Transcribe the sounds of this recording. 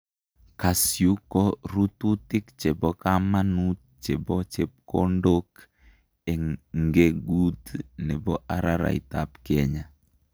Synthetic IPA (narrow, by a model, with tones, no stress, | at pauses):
ka˨sju˦kɔ˦ɾutu˦tɪ˦kt͡ʃɛ˨bɔ˦kamanut̚ | t͡ʃɛ˨bɔt͡ʃɛp̚ko˦ndok | ɛ˨ŋŋɡeɡutnɛ˨bɔ˦ʔaɾaɾa̰˨ḭ˨tapkɛɲa˨